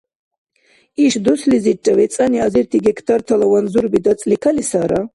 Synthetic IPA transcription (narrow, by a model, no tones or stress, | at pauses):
iʃd̪ɔslizit͡ʃʼavɛt͡sʼaniaziɾt̪ʰiɡɛkʰt̪ʰaɾt̪ʰalawanzuɾbid̪at͡s̪ʼlikʰalisaɾa